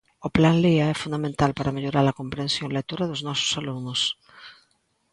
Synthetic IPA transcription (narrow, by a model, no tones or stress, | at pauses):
oplanleaɛfund̪amẽnt̪alpaɾameʎoɾaɾakompɾẽnsjõŋlekt̪uɾaðoznɔsʊ̥salunʊs